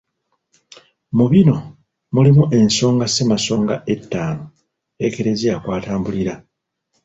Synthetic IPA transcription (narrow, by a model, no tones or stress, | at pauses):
muβino̞ | mulimuʔe̞nso̞ːŋɡasemaso̞ːŋɡaʔe̞tːaːno | eke̞ɾe̞zijakwaːtaːmbuliɾa